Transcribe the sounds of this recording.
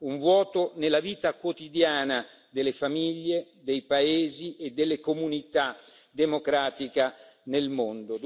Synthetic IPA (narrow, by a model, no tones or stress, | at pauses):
uɱvwɔːt̪onelːaviːt̪akwot̪id̪jaːna | d̪elːefamiʎːed̪ejpaeːziʔed̪elːekomunit̪a | d̪emokɾaːt̪ika | nelmond̪od̪